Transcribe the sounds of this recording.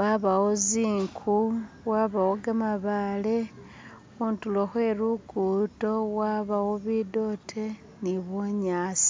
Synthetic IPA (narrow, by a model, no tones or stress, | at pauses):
waβawoziːŋkʰu | waβawoɡamaβale̞ | xuntuloxwe̞ɾuɡuto̞waβawoβido̞tʰe | niβoɲaːsi̥